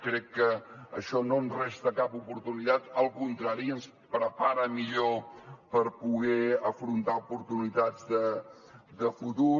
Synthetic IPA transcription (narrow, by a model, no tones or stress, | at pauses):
kɾɛkːəːʃɔnonrɛst̪əkapupuɾt̪unit̪at̪əlˠkunt̪ɾaɾiəns | pɾəpaɾəmiʎopəɾpuɣɛəfɾunt̪aupuɾt̪unit̪ad͡zd̪ə | d̪əfut̪u